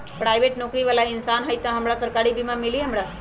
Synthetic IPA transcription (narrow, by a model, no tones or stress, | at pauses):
pɾajʋeʈnokɾiʋalainsanɦəjt̪ãɦəmɽasəɾkaɽibimãmiliːɦəmɽa